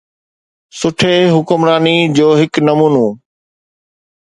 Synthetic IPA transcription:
sʊʈʰeːɦʊkʊmɾaːnid͡ʑoːɦɪknɐmuːnoː

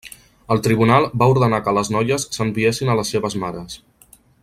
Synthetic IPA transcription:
əlˠt̪ɾiβ̞unalˠbauɾðənakələznɔjəsːəmbiesinələsːeβəzmaɾəs

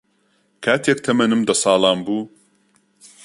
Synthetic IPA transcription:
kʰaːt̪ʰeːk̚t̪ʰɐmɐnɨmd̪ɐsɑːlˠɑːmbuː

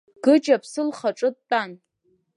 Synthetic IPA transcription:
ɡ̥ɨt͡ʃʼapʰsɨlχaʈ͡ʂʼɨt̚ʼtʼan

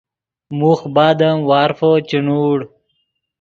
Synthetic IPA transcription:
muxbaːd̪ɐmwaːɾfot͡ɕinuːɽ

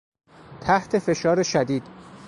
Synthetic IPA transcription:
t̪ʰæht̪ʰe̞fe̞ʃɒːɾeʃæd̪iːd̪̥

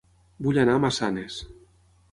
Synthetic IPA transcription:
buʎanaːmasanes

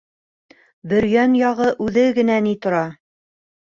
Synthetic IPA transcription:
bɵ̆ɾjænjɑʁɤʔʉðɘɡɘ̆nænit̪ŏɾɑ

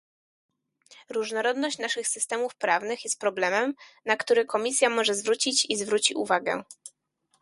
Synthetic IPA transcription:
ɾuʐnɔɾɔd̪nɔɕt͡ɕnaʂɘxsɘst̪ɛmufpɾavnɘxjɛst̪pɾɔblɛmɛmnakt̪uɾɘkɔmʲisʲjamɔʐɛzvɾut͡ɕit͡ɕizvɾut͡ɕḭʔṵvaɡɛ̰

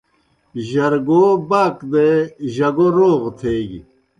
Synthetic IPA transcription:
ʑɐɾɡoːbaːkd̪eʑɐɡoɾoːʁt̪ʰeːɡḭ

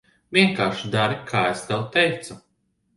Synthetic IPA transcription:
viɛŋkaːʃid̪aɾikʰaːest̪ɛwt̪ɛjt̪su

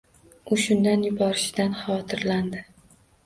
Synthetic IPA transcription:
ʊʃʊnd̪anjʊbɒɾɪʃɪd̪anχɑwɒt̪ʰɪɾland̪ɪ

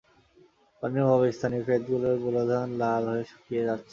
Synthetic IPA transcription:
paniobʱɔβest̪ʰanifɾet̪ɡuloɾbulod̪ʱanlabɦoeʃʰu̥kijed͡ʑatːɕʰe

